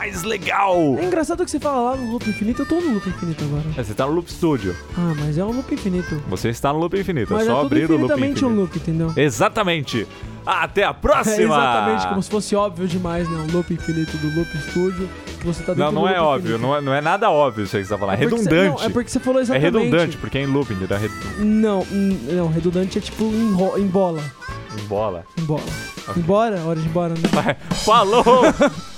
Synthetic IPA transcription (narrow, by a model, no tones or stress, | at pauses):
majzleɡawɛĩŋɡɾasad̪ʊkɪ̥sefalɐlanʊlupɪĩfinit̪ʊɛt̪onʊ̃lupɪĩfinit̪ʊaɡɔɾɐɛset̪anʊlupɪ̥st̪ud͡ʒʊ̰amɐzɛũlupɪĩfinit̪ʊvo̰seɪst̪anʊlupɪĩfinit̪ʊmɐzsɛɔaubɾɾĩɾʊut̪ɐ̃mẽnt͡ʃɪũlupɪĩt̪ẽnd̪ewezat̪ɐmẽnt͡ʃɪ | aat̪ɛɐpɾɔsimɐat̪ɐmẽnt͡ʃɪkkõmʊsɪ̥fosɪɔbviʊd͡ʒɪmajznɐ̃ʊ̃lupɪĩfinit̪ʊd̪ʊlupist̪ud͡ʒʊ | kɪvoset̪ad̪eɐ̃w̃nɾ̃w̃ɛɔbvviʊnɐ̃w̃ɛnɐ̃w̃ɛnad̪ɐɔbviʊsẽst̪afalaɛheɾkd̪ũd̪ɐ̃wt͡ʃɛɪpʊɾkɪ̥sefaloezaɛh̪ed̪ũẽd̪ɐ̃ɪt͡ʃɪ̥poɾkeɛẽlupĩt̪uɾã̰ɦed̪ũd̪ɐ̰̃nɐ̃w̃nɐ̃w̃ɦed̪ũnd̪ɐ̃nt͡ʃɪɛt͡ʃi̥pʊẽj̃ɦɔẽbɔlɐẽbɔlɐ̰ẽbɔ̰lɐẽbɔɾɐɔɾɐd͡ʒɪ̃bɔɾɐnɛ̃vajfalo